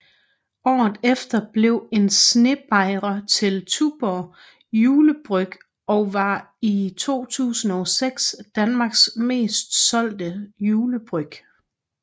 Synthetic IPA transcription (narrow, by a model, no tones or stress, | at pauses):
ɒ̰ːð̩ˠefd̥ɐb̥le̝ʊ̰e̝nsne̝b̥ɑ̈ɪ̰ʁɐt͡sʰe̝lt͡sʰub̥ɒ | juːləb̥ʁœɡ̥ | ɒ̽ʋɑ̈it͡sʰo̝̰ːt͡sʰṵːsn̩ɒseɡ̥sd̥ænmɑ̈ːɡ̥sme̝̰ːsd̥sɒ̽l̰d̥əjuːləb̥ʁœɡ̥